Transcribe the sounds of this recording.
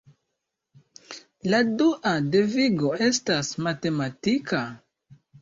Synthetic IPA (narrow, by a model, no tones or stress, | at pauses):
laduʔade̞viɡo̞e̞stasmate̞matikʰa